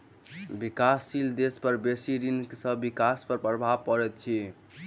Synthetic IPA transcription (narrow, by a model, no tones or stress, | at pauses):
bikasːild̪espəɾbesiɾinksəbbikaspəɾpɾəbʱabkəɾɛt̪̚t͡ʃʰi